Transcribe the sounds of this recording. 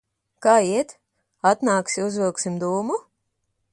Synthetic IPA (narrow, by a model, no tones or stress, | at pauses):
kaːiɛt̪ | at̪naːksiuzvilˠksimd̪uːmu